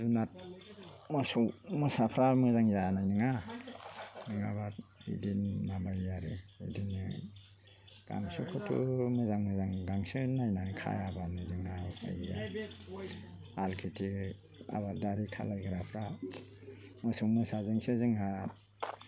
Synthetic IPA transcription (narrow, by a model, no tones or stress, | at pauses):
zunat̚ | mɔsɔwmɯsapʰɾamɯzaŋjaanajnɯŋa | nɯŋabaḭdinːabajjaɾɯḭdinɯ | ɡ̥a̰ŋsukʰutʰṵmɯzaŋmɯzaŋɡaŋsɯnajnanɯkʰa̰jabanɯzɯŋhaa̰ja | alkʰitʰi | a̰βadaɾikʰa̰lajɡɯɾapʰɾa | mɔsɔwmɯsazɯŋsɯzɯŋɦa